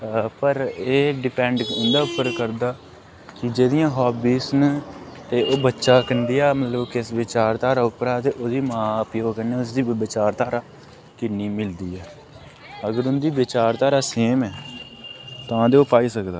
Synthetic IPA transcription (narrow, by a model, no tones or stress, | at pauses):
pəɾeːɖɪpɛ̃ːɳɖʊnd̪aːʊpːəɾkəɾd̪aː | kɪd͡ʒeːd̪ɪjãːɦɔːbiːsnt̪eːʔoːbətːʃaːkənd̪iːaːmət̪ləbkɪsʋɪt͡ʃaːɾt̪aːɾaːʊpːəɾaːt̪eːʔoːd̪iːmãːpjoːkəneːʊs̬d̪iːbɪt͡ʃaːɾt̪aːɾaː | kɪnːiːmɪld̪iːɛː | əɡəɾʊnd̪iːbɪt͡ʃaːɾt̪aːɾaːseːmɛː | t̪ãːd̪eːoːpaːiːsəkd̪aː